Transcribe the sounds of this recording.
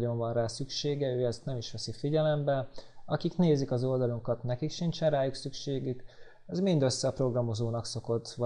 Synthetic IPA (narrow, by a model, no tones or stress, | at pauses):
o̞ɱvɒnraːsykʃeːɡɛøːɛst̪nɛmiʃʋɛsifiɟɛlɛmbɛɒkikneːzikɒzo̞ld̪ɒluŋkɒt̪nɛkikʃint͡ʃɛnraːjuksykʃeːɡyk | ɛzmind̪ø̞sːɛpro̞ɡrɒmo̞zoːnɒkso̞ko̞t̪ːʋɒ